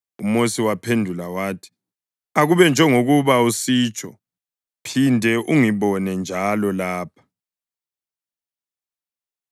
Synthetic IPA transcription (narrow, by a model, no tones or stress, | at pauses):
umosiwapʰendʱulawaːtʰi̥ | aɣuβɛnd͡ʒʱɛŋoɣuβausiːt͡ʃʼʰɔ | pʰindʱɛʔuŋiβɔnɛnd͡ʒʱalɔlaːpʰḁ